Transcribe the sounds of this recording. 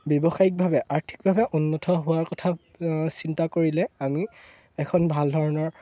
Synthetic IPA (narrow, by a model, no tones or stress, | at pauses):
bɔbɔxaik̚bʱabɛʔaɹtʰi̥k̚bʱabɛʔunːɔtʰɔɦʊwaɹkɔtʰa | sintakoɹilɛami | ɛkʰɔnbʱaldʱɔɹɔnɔɹ